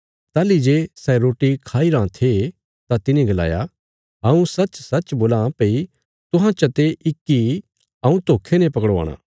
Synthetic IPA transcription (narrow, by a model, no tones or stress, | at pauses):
t̪ɛːlid͡ʒeːsɛɾoːʈikʰaːiɾãt̪ʰe | t̪at̪ɪnĩɡɐla̰ːja̰ | ɦɐũsɐt͡ʃsɐt͡ʃboːlãːpei | t̪ʊɦãt͡ʃɐt̪eʔɪkːi | ɐũt̪oːkʰːenɛ̃pɐkəɽʋa̰ːɽ̃a̰ː